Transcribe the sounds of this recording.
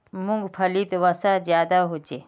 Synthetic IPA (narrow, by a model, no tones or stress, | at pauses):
mʊ̃ŋɡpʰəliːt̪ʋasaːzjaːd̪aːɦod͡ʒeː